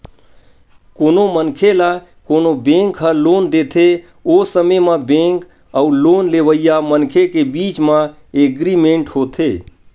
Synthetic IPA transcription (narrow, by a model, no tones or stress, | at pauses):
koːnomənkʰela | koːnobẽːŋkɦəloːnd̪et̪ʰe | osəmemabẽŋk | əuloːnleːʋəijamənkʰekebiːt͡ʃmã | eɡɾimẽɳʈhot̪ʰe